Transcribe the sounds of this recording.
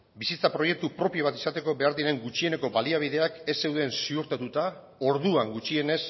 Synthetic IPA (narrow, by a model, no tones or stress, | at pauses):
bisit͡sapɾo̞je̞k̚t̪upɾo̞pio̞β̞at̪i̥sat̪e̞ko̞be̞aɾðinae̞ŋɡut͡ʃie̞ne̞ko̞baliaβ̞iðe̞ake̞se̞wðe̞nsiuɾt̪at̪ut̪a | o̞ɾðuaŋɡut͡ʃie̞ne̞s